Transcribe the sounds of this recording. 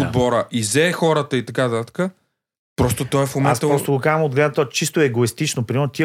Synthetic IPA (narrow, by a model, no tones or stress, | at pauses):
od̪̚bɔɾəʔizɛxɔɾət̪əit̪ɐkat̪at̪ə̥kə | pɾɔst̪ot̪ɔɛfmomɛasst̪əpɾɔst̪oɡokazəmod̪̚ɡlɛd̪ət̪ɔt͡ʃist̪oɛɡoist̪it͡ʃnopɾʲimɛɾnot̪i